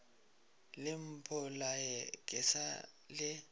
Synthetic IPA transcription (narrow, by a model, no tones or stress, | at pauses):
lɪm̩pʰɔlajɛkʼɪsa̰ | lɪ